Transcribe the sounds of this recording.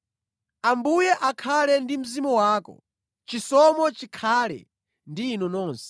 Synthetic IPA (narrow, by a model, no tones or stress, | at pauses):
ambujɛʔakʰalɛndim̩zimɔwaːkɔ̰ | t͡ʃisɔmɔt͡ʃikʰaːlɛ̰ | ndiːnɔnɔːnsɛ̥